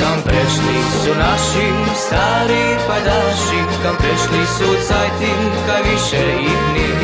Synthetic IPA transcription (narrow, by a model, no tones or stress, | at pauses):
kampɾɛʃli | sunaʃim | sst̪aːɾi | pajd̪alʃi | kampɾɛʃlisusajt̪im | kajʋiʃɛ | id̪ni